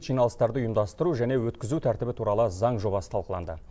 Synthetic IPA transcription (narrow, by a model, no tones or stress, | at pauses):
t̪ʒijnɑlˠəst̪ɑɾd̪əʊjəmd̪ɑst̪əɾuʒæne̞wɵt̪kʲɪzut̪ʰæɾt̪ɪbɪt̪ʰuɾɑlˠəzɑɴʒo̞βɑsə̥t̪ʰɑlˠqəlˠɑ̰nd̪ə